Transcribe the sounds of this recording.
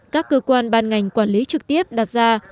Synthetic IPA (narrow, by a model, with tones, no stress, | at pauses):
kaː˦˥kːəː˧kwaː˧nɓaː˧nŋa˨˩jŋ̟kwaː˧˩nli˨˦t͡ɕɨ˨˩k̚t̪i˦˥əp̚ɗaː˨˩t̚zaː˧